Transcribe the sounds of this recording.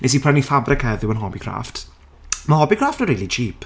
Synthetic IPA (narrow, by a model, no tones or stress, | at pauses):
nes̬ipʰanifabrɪkʰhɛðɪwənɦɔbikʰra̰ft | mahɔbikʰraftnəɾiːlˠit͡ʃiːp